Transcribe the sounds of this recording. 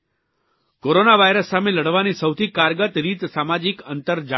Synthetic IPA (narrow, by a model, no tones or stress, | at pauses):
koɾonaʋajɾəsːameləɽʋanisəwt̪ʰikaɾɡət̪ɾit̪samad͡ʒikənt̪əɾd͡ʒa